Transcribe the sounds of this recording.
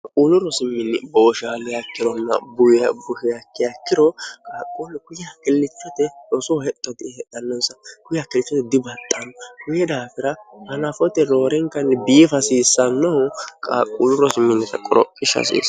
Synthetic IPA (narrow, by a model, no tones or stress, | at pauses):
kʼuːlʊɾɔsɪmːɪnːɪboːʃaːlɪjɐkːɪɾɔnːɐ̰bʊjɐbʊhɪjɐkːɪjɐkːɪɾɔkʼaːkʼːolːɛkʊjakɪlːɪt͡ʃːɔt̪ɛɔsɔhɛt̪ʼːɔd̪ɪɛᶑɐnːɔnsɐkʊjakɪlɪt͡ʃːɔt̪ɛd̪ɪbɐt̪ʼːɐnɔkʊjɛd̪aːfɪɾɐhɐnɐfɔt̪ɛɾo̞ːɾɛŋkɐnːɛbiːfɐsiːsːɐnːɐʊkʼa̰ːkʼuːlʊɾɔsɪmːɪnːɪt̪ɐkʼɔɾɔ̰pʼːɪʃɐ̰sḭs